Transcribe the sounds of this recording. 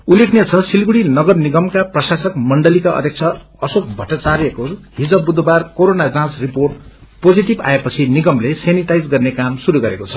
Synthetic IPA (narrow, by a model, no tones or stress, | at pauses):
ulekʰnet͡sʰʌsilɡuɽinʌɡʌrniɡʌmkaprʌsasʌkmʌɳɖʌlikaʔʌ̰d̪ʱjʌk̚t͡sʰʌ | ʌsok̚ʰbʱʌʈʌt͡saɾekoɦid͡zʌbbud̪ʱbarkoɾonad͡zãsriporʈ̚pod͡ziʈiba̰epʌt͡sʰiniɡʌmleseniʈajd͡zɡʌrnekamsuɾuɡʌɾekot͡sʰʌ̥